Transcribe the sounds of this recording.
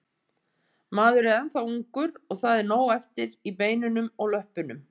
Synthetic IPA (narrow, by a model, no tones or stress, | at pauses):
maːðʏɾɛðanθawuŋkʏɾɔɣθaðɛɾnoːwɛft̪ɪɾipeːjnʏnʏmɔɣlœhpʏnʏm